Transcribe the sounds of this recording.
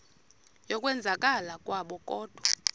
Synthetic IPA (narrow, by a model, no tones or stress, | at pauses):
jɔkʼwɛnd͡zʱakʼalakʼwaɓɔkʼɔːd̥ʱwɔ